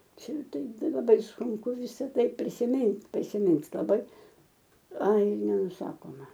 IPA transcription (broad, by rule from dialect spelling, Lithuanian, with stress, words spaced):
ˈt͡ʃʲɛ ˈtɐɪ ˈtɐɪ lˠɐˈbɐɪ sʊŋˈkʊ ˈʋʲɪsɐ ˈtɐɪ pʲrʲɪsʲɪˈmʲɪnʲtʲ pʲrʲɪsʲɪˈmʲɪnʲtʲ lˠɐˈbɐɪ ˈɐɪ nʲɛnʊˈsɑːkoːmɐ